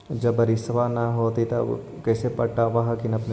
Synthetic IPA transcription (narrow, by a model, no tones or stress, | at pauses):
d͡ʒɐbɐɾisʋanɐɦoːt̪it̪o̰ | kɛːsepɐɽʈaʋɐɦkɪnɐpne